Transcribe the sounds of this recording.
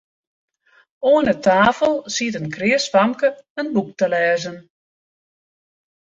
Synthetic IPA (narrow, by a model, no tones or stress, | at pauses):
oənətaːfəlˠsitənkrɪəsfamkəənbuk̚təlɛːzən